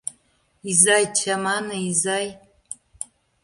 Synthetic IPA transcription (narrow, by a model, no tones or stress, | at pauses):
izajt͡ʃʰamanaizaj